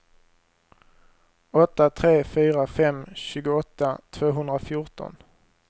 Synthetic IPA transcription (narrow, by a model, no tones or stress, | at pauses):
ɔt̪ːat̪ʰɾeːfyːɾafɛmɕʉ̟ːɡʊɔt̪ːat̪ʰvoːɦɵnd̪ɾafjʊʈɔ̰n